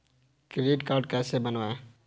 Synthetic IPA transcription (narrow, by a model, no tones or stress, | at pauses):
kɾeːɖkaːɾɖkɛːsebənʋaːe